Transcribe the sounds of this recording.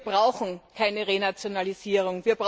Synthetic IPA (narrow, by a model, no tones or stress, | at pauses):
b̥ʁaʊxn̩kʰaɪnəʁenat͡sjonaliziːʁ̞ʊŋviːɐb̥ʁ